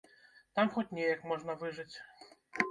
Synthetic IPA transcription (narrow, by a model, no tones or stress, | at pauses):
t̪amxɔt͡sʲnʲɛjɐkmɔʐnɐvɨʐɨt͡sʲ